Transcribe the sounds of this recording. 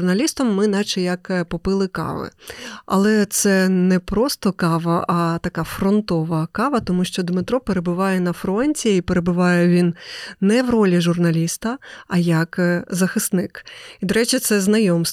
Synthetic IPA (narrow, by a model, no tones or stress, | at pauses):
rnɐlʲist̪ɐmːɪnɑt͡ʃɛjɐkpɔpɪlˠɪkɑ̰ʋɪ̰ɐ̰lˠɛt̪sɛnɛpɾɔst̪ɔkɑʋɐʔɐt̪ɐkɑfɾɔnt̪ɔʋɐkɑʋɐt̪ɔmuʃt͡ʃɔd̪mɪt̪ɾɔpeɾebʊʋɑjɛnɐfɾɔnʲtʲiːpeɾebʊʋɑjɛʋʲinnɛʋɾɔlʲiʒʊrnɐlʲist̪ɐːjɐkzɐxɪsnɪkid̪ɔɾɛt͡ʃʲɪt̪sɛznɐjɔms